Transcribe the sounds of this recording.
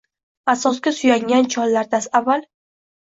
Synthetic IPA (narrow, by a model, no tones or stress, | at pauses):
asɒskʲasʊjaŋʲant͡ʃʰɒlːaɾd̪asavːal